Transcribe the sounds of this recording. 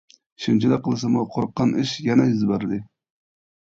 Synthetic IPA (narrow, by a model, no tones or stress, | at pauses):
ʃɪmt͡ʃʰad̪aqʰɨlˠsamʊqʰoɾqːɑnɪʃjanajyzbaɾd̪ɪ